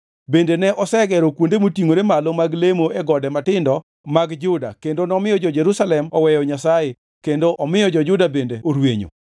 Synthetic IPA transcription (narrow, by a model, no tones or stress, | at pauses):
bendenɛʔɔsɛɡɛɾɔkwondemotiŋoɾemalomaɡlemoɛɡɔdɛmatɪndɔ | maɡd͡ʒʊda̰kendonɔmɪjɔd͡ʒɔd͡ʒɛɾusalɛmɔwɛjɔɲasaje | kendoʔɔmɪjɔd͡ʒɔd͡ʒʊdabendeoɾweɲo̰